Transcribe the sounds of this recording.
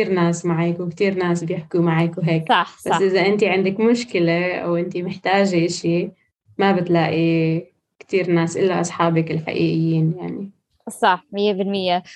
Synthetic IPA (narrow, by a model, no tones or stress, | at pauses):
iːɾnaːsmaʕaːkwɪkt̪iːɾnaːsbjɪħkumaʕakwɦeːk̚ˤɑħbasːʔɪzaʔɪnt̪iʕɪnd̪ɪkmʊʃkɪleʔa̰wʔɪnt̪imɪħt̪aːʒiʔɪʃi | mabɪt̪laːʔi | kt̪iːɾnaːsʔɪlːaʔɑsˤħɑːbɪkɪlħa̰ʔiːʔɪjːiːnjaʕni | sˤɑħmɪjːebɪlmɪjːe